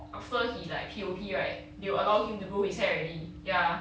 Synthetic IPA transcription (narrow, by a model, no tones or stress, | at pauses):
afəhilaɪk̚pʰiopʰiɹaɪt̚ | deəlaʊhĩmtubohisɛɹɛtija